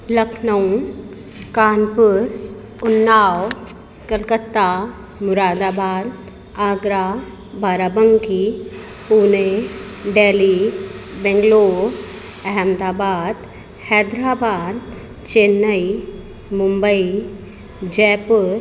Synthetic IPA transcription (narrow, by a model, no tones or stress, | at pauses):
ləkʰnɐwn | kaːnpʊɾ | ʊnːaːw | kəlkət̪ːa | mʊɾaːd̪aːbaːd̪ | aːɡɾa | bʱaːɾaːbəŋki | puːne | ɖeːlibɛ̃ŋɡloː | ɐɦɛmd̪aːbaːd̪ | hɛːd̪ɾaːbaːd̪̚ | t͡ʃeːnːəi | mʊmbəi | d͡ʒɛːpʊɾ